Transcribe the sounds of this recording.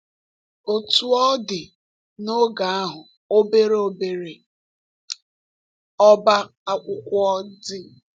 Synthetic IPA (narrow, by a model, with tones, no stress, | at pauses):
o˨tu˨ɔ˦dɪ˨ | no˦ɡa˨a˦ɦʊ˨ | o˦be˦ɾe˦o˨be˨ɾe˨ | ɔ˦ba˦ | a˦kʷʊ˦kʷʊ˦ɔ˦dɪ˦